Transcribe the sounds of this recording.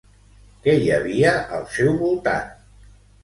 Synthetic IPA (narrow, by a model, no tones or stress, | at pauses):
kɛjəβiəʔəlˠsɛwβulˠt̪a̰n